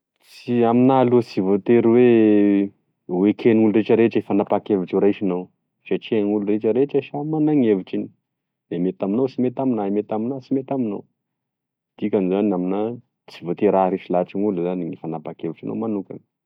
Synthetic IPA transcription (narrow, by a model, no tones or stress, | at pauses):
t͡st͡siaminalut͡sivot̪eɾwe | wekʰenuluɾeʈ͡ʂəɾeʈ͡ʂifanapakeviʈ͡ʂuɾaʃinaw | ʃat͡ʃeŋuluɾeʈ͡ʂəɾeʈ͡ʂəʃamanaŋeviʈ͡ʂini̥ | d̪emet̪aminowt͡simet̪aminaimet̪aminat͡simet̪aminow | d̪̥ikʲanizanamina | t͡sivot̪eɾaɾeʃilaʈ͡ʂiŋuluzaniŋifanapakeviʈ͡ʂano̰wmanukʲa̰n